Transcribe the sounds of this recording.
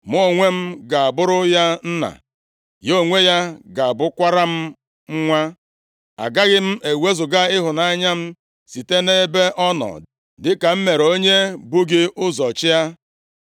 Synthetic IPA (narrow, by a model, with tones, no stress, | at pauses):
mo˦˨ŋʷe˦m̩˦ɡa˨a˨bʊ˦ɾʊ˦ja˦n̩˦na̰˨ | jo˦˨ŋʷe˦ja˦ɡa˨a˨bʊ˦kʷa˦ɾa˦m̩˦ | ŋ̩˦ŋʷa˦ | a̰˨ɡa˦ɣɪ˦m̩˦e˨we˦zʊ˨ɡa˦ɪ˦ɦʊ˨na˦ɲa˦m̩˦ | si˨te˦ne˦be˦ʔɔ˦nɔ̰˨ | dɪ˦ka˨m̩˦me˨ɾo˦ɲe˦bʊ˦ɡɪ˦ʔʊ˦zɔ˨t͡ʃɪ˦ja˦